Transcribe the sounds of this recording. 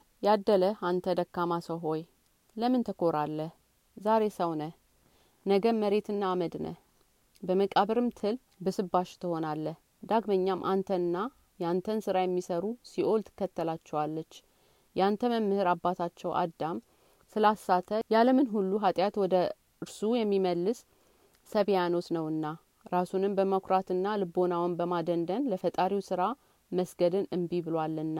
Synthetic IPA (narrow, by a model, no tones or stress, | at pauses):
jad̪ːələant̪ʰəd̪əkːamasəwɦo̞j | ləmɨnt̪ʰəkʰo̞ɾalːəh | zaɾe̞səwnəh | nəɡəmːəɾe̞t̪ʰɨnːaːməd̪nə̰h | bəməkʼaβɾɨmt̪ʰɨl | bɨsɨbːaʃt̪ʰɨho̞nalːəh | d̪aɡməɲːamʔant̪ʰənɨnːa | jɛant̪ʰənsɨɾajɛmːisəɾusiʔo̞lt̪ʰɨ̥kːət̪ːəlat͡ʃːɛwalːət͡ʃː | jɛant̪ʰəməmːɨhɨɾabːat̪ʰat͡ʃːɛwʔa̰d̪am | sɨlasːat̪ʰəjaləmɨnɦulːuɦat̪ʼjat̪wɔd̪ə | ɨɾsujɛmːiməlːɨsː | əβjano̞t̪nəwɨnːa | ɾasunɨmbəməkʰʷɾat̪ɨnːalɨbo̞nawnbəmad̪ənd̪ənləfət̪ʼaɾiwsɨɾa | məsɡəd̪ɨnɨmbibɨlwalːɨnːa